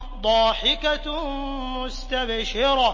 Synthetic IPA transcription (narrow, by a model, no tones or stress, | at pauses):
d̪ˤɑːħɪka | mʊst̪abʃɪɾɑ